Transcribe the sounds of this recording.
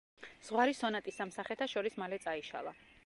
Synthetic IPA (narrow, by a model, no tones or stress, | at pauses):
z̥ʁwaɾisɔnat̪ʼisamsaχɛt̪ʰaʃɔɾismalɛt̪sʼaiʃa̰lˠa